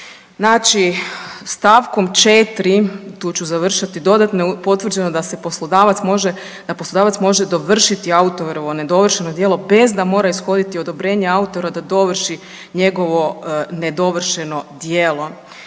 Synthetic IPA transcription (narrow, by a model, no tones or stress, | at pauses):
znaːt͡ʃist̪aːʋko̞mt͡ʃet̪ɾit̪uːt͡ɕuzaʋr̩ʃat̪id̪o̞d̪at̪nopo̞t̪ʋr̩d͡ʑe̞nod̪aseposod̪aʋat̪moʒe | d̪̥aposlo̞d̪aːʋat̪smo̞ʒed̪o̞ʋr̩ʃit̪iaut̪oɾoʋoned̪o̞ʋr̩ʃenod̪jelˠo̞be̞zd̪amo̞ːɾaisxo̞d̪it̪iod̪o̞bɾe̞ːɲeaut̪o̞ɾad̪ad̪o̞ʋr̩ʃi | ɲe̞ɡo̞ʋo̞ne̞d̪o̞ʋr̩ʃeno̞d̪jeːlˠo̞